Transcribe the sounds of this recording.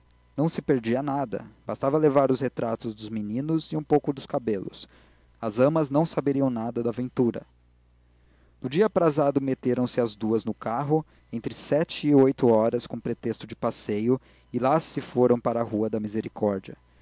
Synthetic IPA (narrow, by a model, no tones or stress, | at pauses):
nɐ̃w̃sɪpeɾd͡ʒiɐnad̪ɐ̰bast̪avɐlevaɾʊshet̪ɾat̪ʊzd̪ʊzminĩnʊzɪũpowkʊd̪ʊskabelʊ̰s | ɐzɐ̃mɐznɐ̃w̃sabeɾiɐ̃w̃nad̪ɐd̪ɐvẽnt̪uɾɐ̰ | nʊd͡ʒiɐpɾazad̪ʊmet̪eɾɐ̃w̃sɪɐzd̪uɐznʊkaɦʊ | ẽnt̪ɾɪsɛt͡ʃɪːojt̪ʊɔɾɐskõpɾet̪est̪ʊd͡ʒɪpasejʊ | ɪlasɪfoɾɐ̃w̃paɾɐːhuɐd̪ɐmizeɾikɔɾd͡ʒiɐ̰